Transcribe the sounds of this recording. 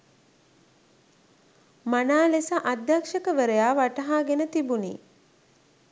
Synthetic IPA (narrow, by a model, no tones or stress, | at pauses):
manaːlesaʔad̪jakʂəkəʋəɾəjaːʋaʈɐɦaːɡenət̪ibunḭː